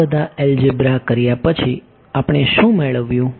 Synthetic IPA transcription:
əd̪ʱaeld͡ʒɪbɾakəɾjapət͡ʃʰi | apɳ̃eʃũmeɭəʋjũ

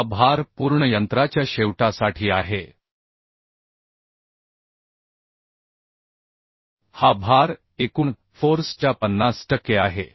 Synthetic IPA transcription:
bʱaɾpuːɾɳəjənt̪ɾat͡ɕjaɕeʋʈasaʈʰiːaɦe | habʱaɾ | ekuːɳ | foɾst͡ɕjapənːasʈəkːeaɦḛ

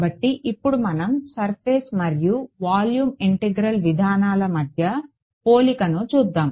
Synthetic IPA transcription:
bɐʈːiʔipːuɽumɐnɐmsɐɾpʰeːsmɐɾjuʋaːljuːmiɳʈeɡɾɐlʋid̪ʱaːnaːlɐmɐd̪ʱjɐ | po̞ːlikɐnut͡ʃuːd̪ːaːm

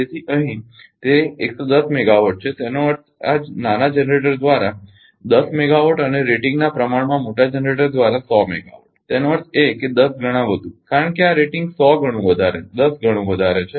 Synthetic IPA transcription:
d͡ʒet̪ʰiʔəɦĩ | t̪eeksod̪əsmɛɡaʋəʈ̚t͡ʃʰet̪enoʋəɾt̪a̰d͡ʒnanad͡ʒɛnɾeʈəɾd̪ʋaɾa | d̪əsmeɡaʋoʈəneɾeʈĩŋɡnapɾəmaɽmãmoʈad͡ʒɛnɾeʈəɾd̪ʋaɾasɔmɛ̰ɡa̰ʋə̰ʈt̪enoʋəɾt̪eked̪əsɡʱəɽ̃ãʋəd̪ʱũkaɾəɳkeaɾeʈɪŋɡsɔɡʱəɽ̃ũʋəd̪ʱaɾed̪əsɡʱəɽ̃ũʋəd̪ʱaɾet͡ʃʰe

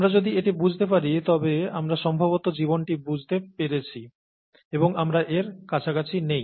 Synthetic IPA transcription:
amɾad͡ʑod̪ieʈibud͡ʑʱt̪epaɾit̪ɔbeamɾaʃɔmbʱabot̪od͡ʑibonʈibud͡ʑʱt̪epeɾet͡ɕʰi | eboŋamɾaʔeɾkat͡ɕʰakat͡ɕʰinej

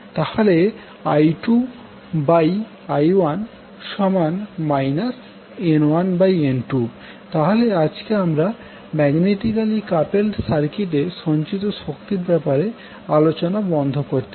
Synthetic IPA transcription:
t̪ahole | ajʈu | baj | ajwan | ʃɔmanmajnas | enwanbajenʈu | t̪aɦolead͡ʑkeamɾa | mɛɡneʈikalikapelɖsaɾkiʈ̪eʃɔnt͡ɕit̪oʃokt̪iɾbɛpaɾe | alot͡ɕonabɔnd̪ʱokoɾt̪i

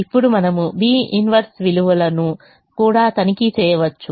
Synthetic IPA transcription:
ipːuɽumɐnɐmubiːinʋɐɾsʋiluʋɐlɐnu | kuːɽaːt̪ɐnikit͡ʃɛːjɐʋɐt͡ʃːu

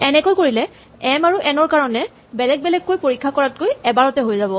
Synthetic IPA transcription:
ɛnɛkojkoɹilɛ | ɛmaɹuʔɛnɔɹkaɹɔnɛ | bɛlɛɡ̚bɛlɛɡ̚ːojpoɹikʰːakɔɹat̚kojɛbaɹɔtɛɦojzabɔ

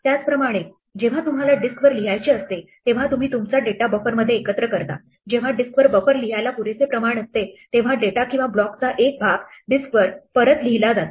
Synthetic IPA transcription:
t̪jat͡spɾəmaɽ̃e | d͡ʑeʋ̤at̪um̤alaɖiskʋəɾliɦajt͡ɕiəst̪et̪eʋ̤at̪um̤iːt̪umt͡saɖeʈabəfəɾməd̪ʱːjeːkət̪ɾəkəɾt̪a̰ | d͡ʑeʋ̤aɖiskʋəɾbəfəɾliɦajlapuɾet͡sepɾəmaɽ̃əst̪et̪eʋ̤aɖeʈakĩw̃ʋablɔkt͡saʔek̚bʱaɡɖiskʋəɾfəɾət̪liɦilad͡zat̪a

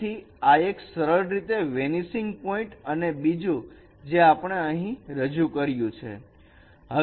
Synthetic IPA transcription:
i | aeksəɾəɾɾit̪eʋenisɪŋɡpɔĩɳʈənebid͡ʒũ | d͡ʒeapɳ̃eəɦĩɾəd͡ʒukəɾjũt͡ʃʰḛ | ɦə

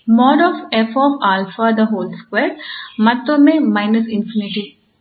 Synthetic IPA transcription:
mɔːɖɔːfefɔːfaːlfad̪əɦoːlskweːɾmɐt̪omẽmaɪnəsɪ̃nfɪnɪʈi

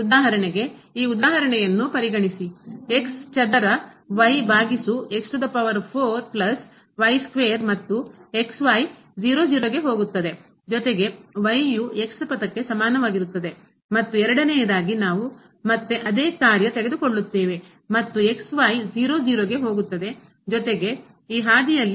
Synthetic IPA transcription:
ud̪aːɦɐɾɐɳeɡe̞iːud̪aːɦɐɾɐɳɛjɐnːupɐɾiɡɐɳisie̞kst͡ʃɐd̪ɐɾɐʋɐjbʱaːɡisue̞ksʈud̪ɐpɐʋɐɾpʰoːɾplɐs | ʋɐjskʋeːɐɾmɐt̪ːue̞ksʋaːj | d͡ʒiːɾod͡ʒiːɾoɡe̞ɦo̞ːɡut̪ːɐd̪e̞ | d͡ʒɔt̪e̞ɡe̞ʋɐjjue̞kspɐt̪ɐkːe̞sɐmaːnɐʋaːɡiɾut̪ːɐd̪e̞ | mɐt̪ːuɛɾɐɽɐnejɐd̪aːɡinaːʋu | mɐt̪ːeʔɐd̪eːkaːɾjɐt̪eɡed̪ukoɭːut̪ːeːʋe̞ | mɐt̪ːue̞ksʋɐjd͡ʒiːɾoːd͡ʒiːɾoːɡeɦo̞ːɡut̪ːɐd̪e̞ | d͡ʒɔt̪e̞ɡe̞ | iːɦaːd̪ijɐlːi

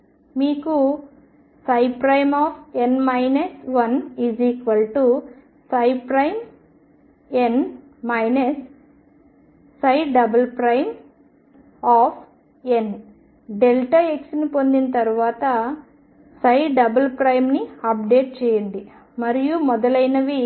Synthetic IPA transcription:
miːku | sɐjpɾɐjmaːpʰenmɐjnɐsʋɐniːziːkʋɐlʈu | sɐjpɾɐjm | en | mɐjnɐs | ɐjɖɐbɐlpɾɐjm | aːpʰ | en | ɖelʈɐeksnipo̞nd̪inɐt̪ɐɾuʋaːt̪ɐ | sɐjɖɐbɐlpɾɐjmniɐp̚ɖeːʈ̚t͡ʃɛːjɐɳɖi | mɐɾijumɔd̪ɐlɐjnɐʋi

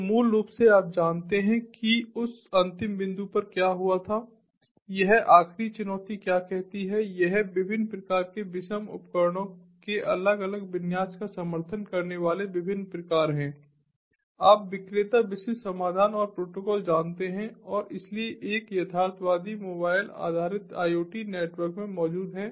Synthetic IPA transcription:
muːlːuːpseaːp̚d͡ʒaːnt̪eɦɛ̃kiʊsɐ̃nt̪ɪmbɪ̃nd̪upɐɾkjaːɦʊat̪ʰaː | jɐɦaːxɾit͡ʃʊnɔːt̪ikjaːkɛɦt̪iɦɛjɛɦʋɪbʱɪnːpɾɐkaːɾkebɪʃəmʊ̰pkəɾɽ̃õkeʔɐləɡɐləɡbɪnjaːskasɐməɾt̪ʰənkɐɾneʋaːleʋɪbʱɪnːpɾɐkaːɾɦɛ̃ː | aːpʋɪkɾeːt̪abɪsɪsɐmaːd̪ʱaːnɔːɾpɾoːʈoːkɔːld͡ʒaːnt̪eɦɛ̃ɔːɾɪslieʔeːkjɐt̪ʰaːɾt̪ʰʋaːd̪imoːbaːɪla̰ːd̪ʱaːɾɪt̪a̰ːjoːʈineːʈʋəɾkmẽmɔːd͡ʒuːd̪ɦɛː

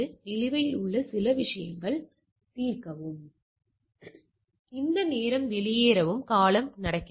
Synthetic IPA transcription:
ɯɪlɪʋɐjɪlʊɭːɐsɪlɐʋɪʂɐjɐ̰ŋɡɐɭ | t̪iːrkɐʋɯm | ɪnd̪ɐneːɾɐmʋɛlɪjeːɾɐʋɯmkaːlɐmnɐɽɐkːɪ

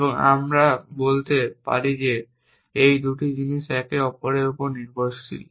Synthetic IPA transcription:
eboŋa̰mɾabolt̪epa̰ɾid͡ʑe | ejd̪uʈid͡ʑiniʃɛkeɔpoɾeɾupoɾniɾd̪ʱoʃt͡ɕʰḭl

